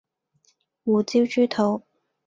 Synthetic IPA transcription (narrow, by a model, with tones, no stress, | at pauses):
wuː˨t͡si˥wt͡ʃyː˥t̪ʰo˨˧w